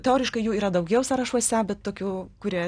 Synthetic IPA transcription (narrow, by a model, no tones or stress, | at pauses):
t̪ʲɛoːɾʲɪʃkɐɪjuːiːɾɐd̪ɐʊɡʲɛʊsɐɾɐʃuɔsʲɛbʲɛt̪t̪oːkʲuːkʊɾʲiɛ